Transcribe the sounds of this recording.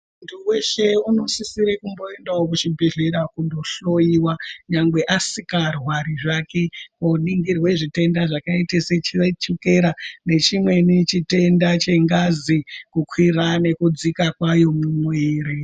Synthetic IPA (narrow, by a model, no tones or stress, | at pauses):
untʰuwe̞ʃe̞uno̞sisiɾekumbo̞e̞ndaokut͡ʃibʱe̞ɮeɾakundo̞ɬo̞jiwaɲaŋɡwe̞ʔasikarwaɾiʐake̞koniŋɡirwe̞ʐite̞ndaʐakaiteset͡ʃiet͡ʃuke̞ɾane̞t͡ʃimwe̞nit͡ʃite̞ndat͡ʃe̞ŋɡazikukʰwirane̞kud͡zikakwajo̞mumweːɾe